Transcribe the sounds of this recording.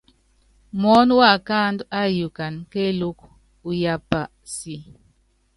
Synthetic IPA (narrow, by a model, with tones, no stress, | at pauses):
mɔ˦n˦wa˦˨ka˦nda˦ju˨ka˨nke˦lu˦k̚ | u˨ja˨pa˨ | si˨